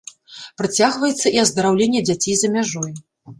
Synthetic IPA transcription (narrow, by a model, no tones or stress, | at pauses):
pɾat͡sʲaɣvɐjɛt̪sːɐiɐzd̪ɐɾawlʲenʲːɛd͡zʲat͡sʲejzɐmʲaʐɔj